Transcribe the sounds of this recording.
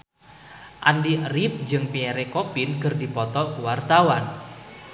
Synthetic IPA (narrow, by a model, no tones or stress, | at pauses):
ʔandirip̚d͡ʒɨŋpieɾekopinkərdipɔt̪ɔkuwart̪awan